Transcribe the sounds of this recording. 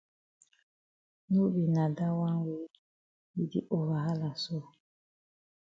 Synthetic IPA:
nu˦bi˨na˨da˦wa˦we˦ | bi˨dḭ˦ʔo˨βa˨ɦa˦la˨so˦˨

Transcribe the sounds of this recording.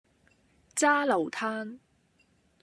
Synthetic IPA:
t͡saː˥lɐ˨˩wt̪ʰaː˥n

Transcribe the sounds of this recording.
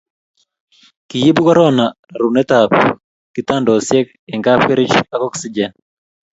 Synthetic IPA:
ki˨ji˦bu˦kɔ˦ɾɔ˦na˨ | a˨ɾu˨nɛ˦tap | ki˨ta˦ndɔ˨sjɛ˦k | ɛ˨ŋɡa˦pkɛ˦ɾi˦t͡ʃa˦kɔ˦ksi˦d͡ʒɛ˦

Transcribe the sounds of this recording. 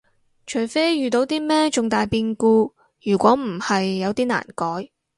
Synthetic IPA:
t͡ʃʰɵ˨˩jfe˥jyː˨˩t̪o˨˧wt̪iː˥mɛː˥t͡ʃʊ˨ŋt̪aː˨jpiː˧nkuː˧ | jyː˨˩kʷɔː˨˥m̩˨˩hɐ˨jːɐ˨˧wt̪iː˥na̰ː˨˩nkɔː˨˥j

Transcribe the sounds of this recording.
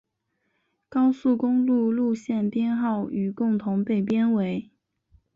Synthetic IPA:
kɑ˥ʊsu˥˩kʊ˥ŋlu˥˧lu˥˧ɕjɛ˥˩nt̪jɛ˥nxɑ˥˩ʊy˨˩kʊ˥˩ŋt̪ʰʊ˧˥ŋpe˥˩ɪp̬jɛ˥nwe˧˥ɪ

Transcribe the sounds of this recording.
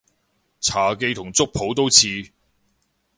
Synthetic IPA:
t͡sʰaː˨˩ke˧jt̪ʰʊ˨˩ŋt͡sʊ˥k̚pʰo˨˥wt̪o˥wt͡sʰiː˧

